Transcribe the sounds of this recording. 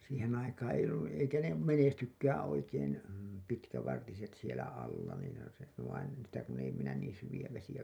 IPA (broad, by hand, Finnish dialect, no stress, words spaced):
siːhẽː ɑikɑ̃ː eij̆ olːun niː eikæ ne menestykːæːæ̃ oikeːn pitkæʋɑrtiset sielæ ɑlːɑ niːn ʋɑin en sitæ kun ei minæ niːn syʋij̆æ ʋesijæ